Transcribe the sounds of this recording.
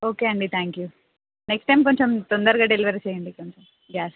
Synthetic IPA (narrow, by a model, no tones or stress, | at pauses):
oːkeɐɳɖit̪ʰaːŋkju | neksʈːajmkoɲt͡ʃomt̪ond̪ɐɾɡaːɖeliʋɐɾit͡ʃeːjɐɳɖikoɲt͡ʃom | jaːs